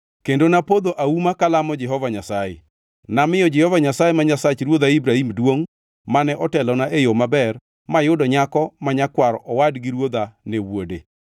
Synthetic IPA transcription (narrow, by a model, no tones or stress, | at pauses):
kendonapod̪oʔaumakalamɔd͡ʒɛɦɔvaɲasajḛ | namɪjɔd͡ʒɛhɔvaɲasajemaɲasat͡ʃɾwod̪aibɾahimdwoŋ | manɛʔɔtɛlɔnaʔejomabɛr | majʊdɔɲakɔmaɲakwaɾɔʔɔwadɡiɾwod̪anewodḛ